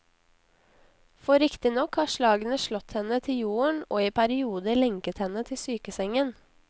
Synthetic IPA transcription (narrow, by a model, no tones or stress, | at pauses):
fɔɾɪkt̪ɪnɔkhɑːʃlɑːɡənəʃɭɔt̪hɛnət̪ʰɪljuːəɳʔoːiːpʰæɾɪuːd̪əlɛŋkət̪hɛnət̪ʰɪsyːkəsɛŋən